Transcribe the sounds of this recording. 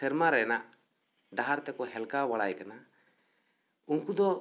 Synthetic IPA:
ɛɾmaɾɛna | ɖaɦaɾt̪ɛkɔɦɛlkawaɽajkana | unkud̪ɔ

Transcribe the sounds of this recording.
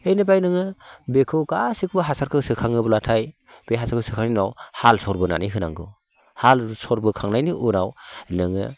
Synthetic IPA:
ejnɯbajnɯŋɯbekʰɯwkasik̚bɯɦasaɾkʰɯsɯkʰaŋɯbɯlatʰaj | b̥eɦasaɾkʰɯsɯkʰaŋninawhalsɔɾbɯna̰niɦɯna̰ŋɡɯ̰ | halsɔɾbɯkʰaŋnajniʔuɾawnɯŋɯ̰

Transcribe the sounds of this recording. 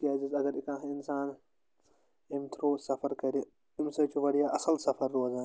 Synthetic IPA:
kiaːzizɐɡɐɾikãːxɪnsaːn | imt̪ʰɾoːsɐfʰɐɾkɐɾi | ɪmsɐt͡ʃʰuʋɐɽijaːʔɐsɐlsɐfɐɾːoːzaːn

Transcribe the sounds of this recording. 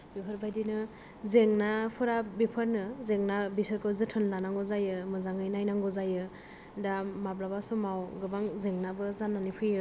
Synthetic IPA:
bipʰɯɾbajdinɯ | zeŋnapʰɯɾabipʰəɾnɯzeŋnabisɯɾkɯzɯtʰɯnlanaŋɡɔzajɯmɯzaŋɯjnajnaŋɡɔzajɯ | damablabasɔmawɡɯbaŋzeŋnabɯzanːanipʰɯjɯ

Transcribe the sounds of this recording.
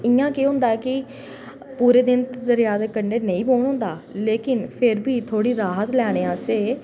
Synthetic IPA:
ɪjãːkeːɦʊ̃nd̪aːɛːkɪ | puːɾeːd̪ɪnt̪ːd̪əɾjaːd̪eːkəɳɖeːnẽĩːboːɳɦʊ̃nd̪aːleːkɪnpʰɪɾbʱiːt̪ʰoːɽiːɾaːɦət̪lɛːɽ̃eːãːseː

